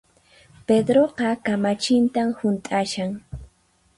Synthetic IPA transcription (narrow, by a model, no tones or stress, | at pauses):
ped̪ɾoqɑkamat͡ʃɪnt̪amhʊnt̪ʼaʃaŋ